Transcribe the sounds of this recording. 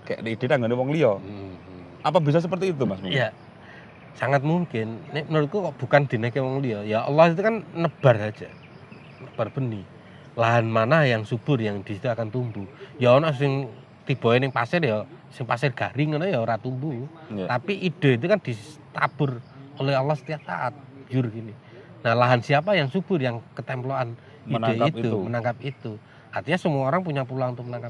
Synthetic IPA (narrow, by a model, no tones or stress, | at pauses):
kaa̰ʔnid̥e̤t̪aŋɡəniwɔŋliɔ | ʔapabis̬ɔs̬əp̬ərt̪iːt̪̬umasmija | saŋat̪̚muŋkɪnːɪʔmənəɾʊt̪̚kukɔʔb̥ukand̪̥ə̤nəhkewɔŋliɔjaʔə̰lɔhit̪̬ukanːəb̥a̤rɦad̥d͡ʒ̥a | nəb̥arb̥əni | laɦanmanajaŋsub̥ʊ̤rjaŋd̪̥isit̪uakant̪umbujaonɔsɪŋ | t̪ib̥ɔɛnɪŋpasɪrjɔsɪŋpasɪrɡ̥aɾiŋənɔjɔɾat̪umbut̪apiʔid̥ə̤it̪̬ukand̪̥it̪ab̥ʊ̤rolɛɦalɔhsə̥t̪iaʔsa̰ʔat̪̚d͡ʒʊrɡini | nahlaɦansiapajaŋsub̥ʊrjaŋkət̪ɛmploʔan | inaiumənaŋkap̚it̪u | art̪iɲasəmuaoɾaŋpuɲapulaŋunt̪ʊk̚mənaŋkap